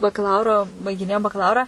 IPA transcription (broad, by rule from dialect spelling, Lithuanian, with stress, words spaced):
bɐkɐˈlˠɐʊroː bɐɪɡʲɪˈnʲeːjoːm bɐkɐˈlˠɐʊrɑː